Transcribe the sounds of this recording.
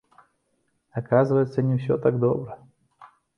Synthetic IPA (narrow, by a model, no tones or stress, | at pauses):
ɐkazɨvəjɪt̪sənʲɪfsʲot̪aɡ̚d̪obɾə